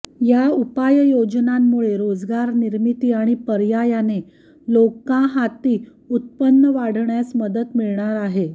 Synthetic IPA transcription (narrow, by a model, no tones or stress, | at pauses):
jaupajjod͡znamːuɭeɾod͡zɡaɾniɾmit̪iːaɽ̃ipəɾjajane | lokãɦat̪iː | ut̪̚pənːəʋaɽ̤ɳjasməd̪ət̪miɭɳaɾaɦe